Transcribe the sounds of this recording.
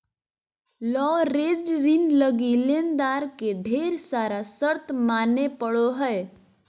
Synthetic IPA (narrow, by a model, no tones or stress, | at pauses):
lɔɾed͡zɖɾinləɡilend̪aɾkeɖʱeɾsaɾasəɾt̪manepəɭoɦəj